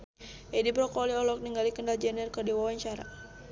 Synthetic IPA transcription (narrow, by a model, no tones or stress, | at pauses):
ʔɛdibɾɔkɔliɔlɔk̚niŋɡalikəndald͡ʒɛnirkərdiwawaɲt͡ʃaɾa̰